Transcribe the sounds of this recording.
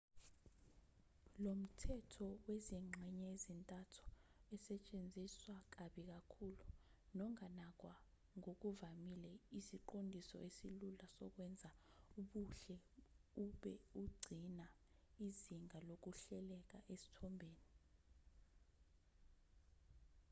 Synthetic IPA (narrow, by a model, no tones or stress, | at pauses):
lom̩tʰɛtʰɔweziŋ͡ǁʱɛɲɛezintʼatʰu̥ɛsɛt͡ʃʼend͡zʱiswak̬aɓik̬akʰulunɔŋanak̬wa | ŋok̬uvamilɛisiǃondʱisɔ̰esilulasɔ̰k̬wɛnd͡zʱauɓuɬɛuɓɛuɡ͡ǀʱina | iziŋʱalok̬uɬɛlɛk̬aʔesi̥tʰɔmbʱeːni